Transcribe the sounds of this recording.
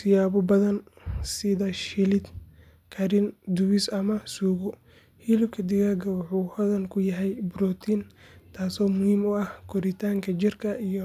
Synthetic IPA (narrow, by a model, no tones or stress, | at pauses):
sɪjaːβɔbɐðɐnsɪðɐʃɪlɪd̪ | kʰɐɾɪnd̪ʊwɪsɐmɐsuːɣɔ | hilɪbkʰɐd̪ɪɣaːɡɐwɑħuːhɔðɐnkʰʊjɐɦɛjbɾɔt̪ʰint̪ʰaːsɔːmʊhiːmʊɐhkʰɔɾɪt̪ʰaːŋkʰɐt͡ʃɪrkʰɐijɔ